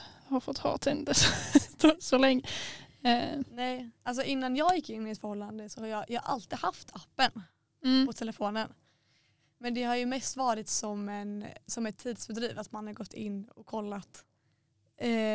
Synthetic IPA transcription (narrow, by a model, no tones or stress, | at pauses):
haɾfɔt̪ːhɑ̰ːt̪ʰɛnd̪əst̪osɔlɛŋːə | nɛjʔals̬ɔʔɪnːanjɑːɡjɪkːɪnːɪt̪fœɾhɔlːand̪əsɔhaɾjɑːjɑːʔa̰lt̪iːɡ̪haft̪ʰapːən | pʰɔt̪ʰɛləfoːnən | mɛnd̪ɛhaɾjɵmɛst̪vɑːɾɪt̪sɔmɛnsɔmɛt̪ʰːiːd̪sbɛd̪ɾiːvat̪manhaɾɡɔt̪ʰːɪnːɔkʰːɔlːat̪